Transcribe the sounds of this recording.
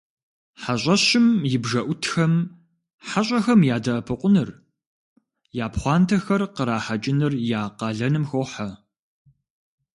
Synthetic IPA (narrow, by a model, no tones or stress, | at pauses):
ħaɕʼɐɕɪmjɪbʒɐʔʷʊtʰxɐm | ħaɕʼɐxɐmjaːdɐʔːpʰɨqʷʊnɨr | jaːpχʷɑːntʰɐxɐrqəɾaːħɐt͡ʃʼɪnɨrjaːqɑːɮɐnɨmxoħɐ